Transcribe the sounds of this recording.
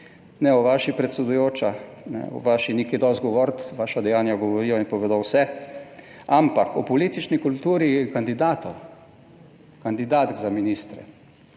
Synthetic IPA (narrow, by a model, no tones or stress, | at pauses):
nɛɔʋaːʃipɾɛt̪sɛd̪ujoːt͡ʃanɛ̰ɔ̰ʋaːʃiniked̪ɔst̪̚ɡɔʋɔːɾt̪ʋaːʃad̪ɛjaːnjaɡɔʋɔɾiːjɔinpɔʋeːd̪ɔwsɛ | ampakɔpɔliːt̪it͡ʃnikult̪uːɾikand̪id̪aːt̪ɔw | kand̪id̪aːt̪ɡzaminiːst̪ɾɛ̰